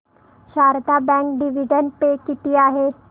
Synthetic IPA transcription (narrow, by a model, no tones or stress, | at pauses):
ʃaːɾt̪abɛ̃ːŋkɖɪʋiɖənpekɪʈijaɦeː